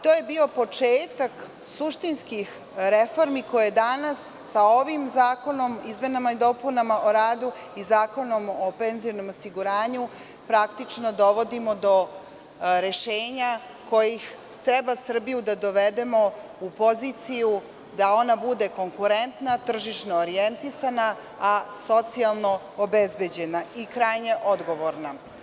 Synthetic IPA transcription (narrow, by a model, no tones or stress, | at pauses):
t̪oːje̞bio̞po̞t͡ʂeːt̪ak | suʃt̪inskix | ɾefo̞ɾmiko̞jed̪anasːao̞ʋimzaːko̞no̞mizme̞namaid̪o̞punamaʔo̞ɾaːd̪u | izaːko̞no̞mope̞nzijonomosiɡuɾaːɲu | pɾakt̪it͡ʃno̞d̪o̞ʋo̞d̪imo̞d̪o̞ | ɾeʃeːɲa | ko̞jixt̪ɾe̞basr̩bijud̪ad̪o̞ʋed̪e̞mo̞ | upo̞zit̪siju | d̪ao̞nabud̪e̞ko̞ŋkuɾe̞nt̪nat̪r̩ʒiʃnoːɾije̞nt̪isana | aso̞t̪sialˠno̞ | obe̞zbe̞d͡ʑe̞naikɾajne̞ʔo̞d̪ɡo̞ʋo̞ɾna